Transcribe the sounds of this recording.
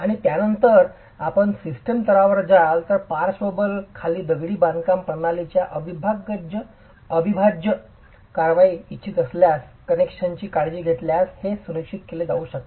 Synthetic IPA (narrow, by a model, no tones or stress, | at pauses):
aɽ̃it̪janənt̪əɾ | apəɳsisʈəmt̪əɾaʋəɾd͡zalt̪əɾpaɾsobəlkʰaliːd̪əɡɽiːbãnd̪kampənalit͡ɕjaʔəbʱibʱaɡːəd͡ʑ | əbʱibʱad͡ʑə | kaɾʋaiitːt͡ɕʰit̪əsljaskənekʂənt͡ɕiːkaɽd͡ʑiːɡʱet̪ljashesunəkɕit̪keled͡zauːɕək̚t̪o